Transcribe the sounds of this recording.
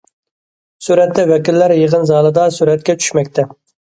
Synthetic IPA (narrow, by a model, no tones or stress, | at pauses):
suɾɛt̪ːɛwɛkʲilːæɾjəʁənzɑːlˠɨd̪ɑsuɾɛt̪̚kʲɛt͡ʃʰy̥ʃmɛkʲt̪ʰɛ